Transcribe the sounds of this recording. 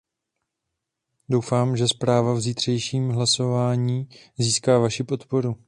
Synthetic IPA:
do̞wfaːmʒɛspɾaːvavziːt̪r̝̥ɛjʃiːmɦlaso̞vaːɲiːziːskaːvaʃipo̞t̪po̞ɾu

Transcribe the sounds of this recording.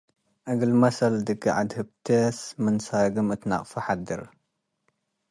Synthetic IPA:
ʔɐɡɨlmɐsɐld̪ɨɡɐʕad̪hɨb̚t̪ʰesmɨnsaɡɨmɨt̪na̰qʼfɐħad̪ɨɾ

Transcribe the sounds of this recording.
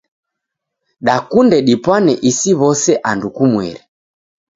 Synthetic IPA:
ɗakundɛɗipwanɛʔisiβɔsɛʔandukumwɛ̰ɾi

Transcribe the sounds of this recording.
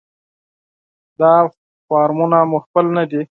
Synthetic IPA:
d̪ɑ | fɑɾmunamʊxpəlnad̪i

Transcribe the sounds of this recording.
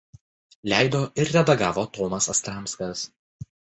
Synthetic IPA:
lʲæɪd̪oːʔɪɾɾʲɛd̪ɐɡɑːʋot̪ɔːmɐsɐst̪ɾɑˑmskɐs

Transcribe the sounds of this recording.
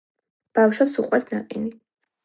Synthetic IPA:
b̥afʃɛpsuqʼwɛɾt̪ʰna̰qʼini

